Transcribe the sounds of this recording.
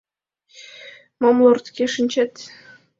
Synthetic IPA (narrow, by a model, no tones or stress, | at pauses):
momlˠort̪kʲeʂɘ̆nʲt͡ɕet̪ʲ